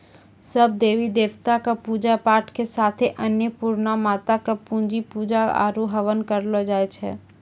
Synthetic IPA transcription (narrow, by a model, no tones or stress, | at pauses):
səb̚d̪eːʋid̪eːʋt̪akapuːd͡ʒapaːɾʈkesaːt̪ʰeʔənjəpuːɾnamaːt̪akapũnd͡ʒipuːd͡ʒaa̰ɾuɦəʋənkəɾlod͡ʒaːet͡ʃʰɛ̰ː